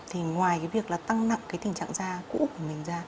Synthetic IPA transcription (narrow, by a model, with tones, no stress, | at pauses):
t̪ʰi˨˩ŋwaː˨˩jkaː˨˦jvi˨˩ək̚laː˨˩t̪a˧ŋna̰˧˨ŋkaː˨˦jt̪ï˨˩ŋ̟t͡ɕa̰ː˧˨ŋzaː˧kṵ˧˥ku˧˩əmï˨˩ŋ̟zaː˧